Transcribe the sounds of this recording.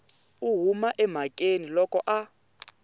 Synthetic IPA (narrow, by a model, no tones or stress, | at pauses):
uɦumaʔɛm̤akʼenilɔkʼɔʔa